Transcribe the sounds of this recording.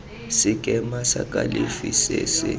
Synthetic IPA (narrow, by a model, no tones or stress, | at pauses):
sɪkʼɛmasakʼalifisesɪ